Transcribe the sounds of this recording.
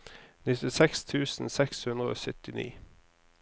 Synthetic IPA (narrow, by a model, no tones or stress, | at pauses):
nɪt̪ɪsɛkst̪ʰʉːsn̩sɛkshʉnd̪ʁəo̰ːsʏt̪ɪnḭː